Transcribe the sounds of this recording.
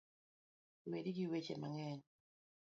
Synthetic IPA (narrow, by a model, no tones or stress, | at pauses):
wediɡiwet͡ʃema̰ŋɛn